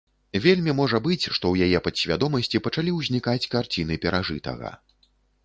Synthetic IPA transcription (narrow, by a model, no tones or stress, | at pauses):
vʲelʲmʲimɔʐɐbɨt͡sʲʂt̪ɔwjajɛpɐt̪sʲvʲad̪ɔmɐsʲt͡sʲipɐt͡ʂalʲiwzʲnʲikat͡sʲkart͡sʲinɨpʲɛɾaʐɨ̰t̪ɐ̰ɣɐ̰